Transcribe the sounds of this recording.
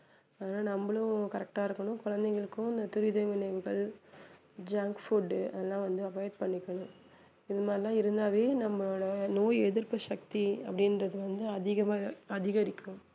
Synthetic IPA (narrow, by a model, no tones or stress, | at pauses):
ɐðɐnaːlnɐmbɐɭʊ̃kɐɾɛk̚ʈaːɪɾɯkːɐɳʊ̃kɔɻɐnd̪ɐɪɣɐɭɯkːʊ̃ɪnd̪ɐt̪ʊɾɪðɐjʋɪnɐɪʋɯɣɐɭ | d͡ʒaːŋkfuɾɖɐ̰ðɛlːãːʋɐnd̪ɯɐpajɐʈpɐɳːɪkːɐɳʊ̃ | ɪðɐmaːɪlãːɪɾɯnd̪aːʋeːnɐmːɐoːɽɐnoːjɛðɯɾpɐʃɐk̚t̪iɐpːɐɽɪnrɐðɯʋɐnd̪ɯɐðɪɣɐmaːɐðɪɣɐɾɪkːʊ̃m